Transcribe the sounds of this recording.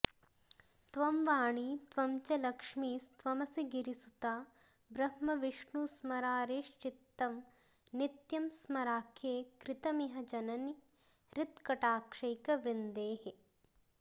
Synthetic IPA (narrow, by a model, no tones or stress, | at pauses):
t̪ʋɐmʋaːɳit̪ʋɐmt͡ʃɐlɐkʂmiːst̪ʋɐmɐsiɡiɾisut̪aː | bɾɐhmɐʋiʂɳusmɐɾaːɾeːʃt͡ʃit̪ːɐm | nit̪jɐmsmɐɾaːkʰeːkɾɪt̪ɐmiɦɐd͡ʒɐnɐni | ɾɪt̪kɐʈaːkʂɐjkɐʋɾind̪eːɦe